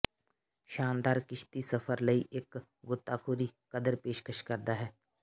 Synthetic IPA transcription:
ʃaːnd̪aːɾkɪʃt̪isɐfʰəɾləiʔeːk | ɡʊt̪ːakʰuːɾikɐd̪əɾpeːʃkəʃkɐɾd̪aɦɛː

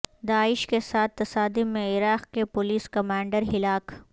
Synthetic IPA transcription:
d̪aːɪʃkesaːt̪ːɐsaːd̪iːẽɪɾaːqkepʊliːskɐmãːɳɖəɾɦɪlaːk

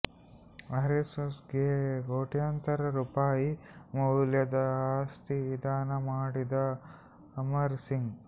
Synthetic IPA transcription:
ɐɾisosɡeːɡoːʈjɐnt̪ɐɾɐɾupaːjimɐwljɐd̪ɐaːst̪iʋid̪ʱaːnɐmaːɽid̪ɐː | mɐɾsiŋɡ

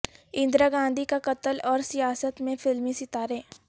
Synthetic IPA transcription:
ɪ̃nd̪ɾaɡãːnd̪ʱikakɐt̪əlɔːɾsijaːsət̪mẽfɪlmĩsɪt̪aːɾẽː

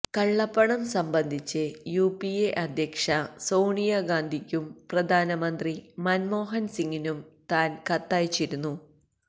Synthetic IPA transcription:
kɐɭːɐpːɐɳɐmsɐmbɐnd̪ʱit͡ɕːɨjuːpieʔɐd̪ʱjɐkʂɐsoːɳijaɡaːnd̪ʱikʲːumprɐd̪ʱaːnɐmɐnd̪rimɐnmo̞ːɦɐnsiŋːinumt̪aːnkɐt̪ːaːjt͡ɕːiɾunːu

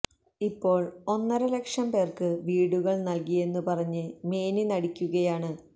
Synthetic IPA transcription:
ipːo̞ːɭo̞nːɐɾɐlekʂɐmpe̞ːrkɨʋiːɽuɣɐɭnɐlkije̞nːupɐrɐɲːɨme̞ːninɐɽikʲːuɣɐjaːɳɨ

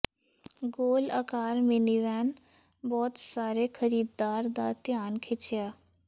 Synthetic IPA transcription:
ɡoːlə̰kaːɾmeniʋɛːn | bɔːt̪saːɾeːkʰəɾiːd̪ːaːɾd̪aːt̪ɪjaːnkʰɪt͡ʃjaː

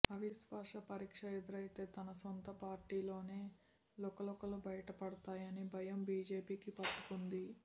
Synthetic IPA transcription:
ɐʋisʋaːʂɐpɐɾiːkʂɐɛd̪ɐɾɐjt̪e̞ːt̪ɐnɐsɔnt̪ɐpaːɾʈiːlo̞ːne̞ː | lɔkɐlɔkɐlubɐjɐʈɐpɐɽɐt̪aːjɐnibʱɐjɐmbiːd͡ʒe̞ːpiːkipɐʈːukund̪i

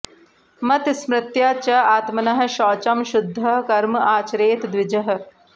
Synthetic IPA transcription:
mɐt̪smɾɪt̪jaːt͡ʃɐaːt̪mɐnɐɦɐ̆ʃɔːt͡ʃɐmʃʊd̪ʱːɐɦkɐɾmaːt͡ʃɐɾeːt̪d̪ʋɪd͡ʒɐɦɐ̆

